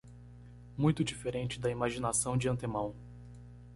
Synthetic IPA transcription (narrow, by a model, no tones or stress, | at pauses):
mũj̃t̪ʊd͡ʒifeɾẽnt͡ʃɪd̪ɐimaʒinasɐ̃w̃d͡ʒɪɐ̃nt̪emɐ̃w̃